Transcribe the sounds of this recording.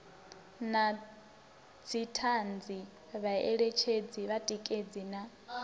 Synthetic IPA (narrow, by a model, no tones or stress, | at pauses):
na | d͡zʰitʰand͡zi | βaɛɺet͡ʃʰed͡ziβatʼikʼed͡zina